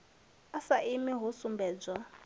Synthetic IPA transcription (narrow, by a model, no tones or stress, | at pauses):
asaʔimiɦɔsumbɛːd͡za